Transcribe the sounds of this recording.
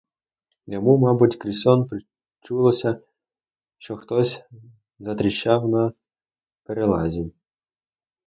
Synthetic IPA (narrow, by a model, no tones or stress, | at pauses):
jamumɑbutʲkɾʲisɔnpɾɪ | t͡ʃulˠɔsʲɐ | ʃt͡ʃɔxt̪ɔsʲ | zɐt̪ɾʲɪɕːawna | pɛɾelˠazʲinʲ